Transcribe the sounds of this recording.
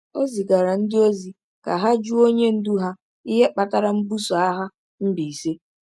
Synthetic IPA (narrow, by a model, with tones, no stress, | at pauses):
o˦zi˨ɡa˨ɾa˨n̩˦dɪ˦o˦zi˨ | ka˨ɦa˦d͡ʒu˦o˦ɲe˦n̩˦du˦ɦa˦ | i˦ɦe˦k͡pa˨ta˦ɾa˨m̩˦bu˦so˨a˦ɦa˦ | m̩˦bi˨se˦